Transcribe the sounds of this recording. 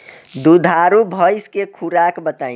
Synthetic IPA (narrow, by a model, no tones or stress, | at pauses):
d̪ud̪ʱaɾubʱəjskekʰuɾakbət̪aːĩ